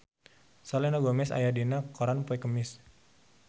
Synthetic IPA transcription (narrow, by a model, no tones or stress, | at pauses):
salɛnaɡɔmɛsa̰jadinakɔɾanpɔɛkəmɪs